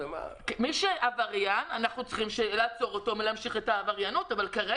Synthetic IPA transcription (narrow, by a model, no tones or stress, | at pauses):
kmiʃeʔavaʁjananaχnut͡sχimʃeleaːt͡so̞ʁoto̞melamʃiχetaːvaʁjanotavalkaʁe